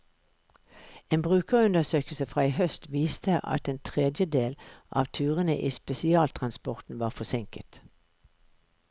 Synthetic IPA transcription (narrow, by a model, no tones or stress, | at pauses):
eːnbʁʉːkəʁʉnd̪əsøːkəl̩səfʁɑːiːhœst̪ʋiːst̪ʰəʔɑ̰t̪eːnt̪ʰʁɛd̪jəd̪eːlʔɑ̰ːʋt̪ʰʉːʁənə̰ʔiːspɛsɪɑːlt̪ʰʁɑnspɔʁt̪n̩ʋɑːʁfɔsɪŋkət̪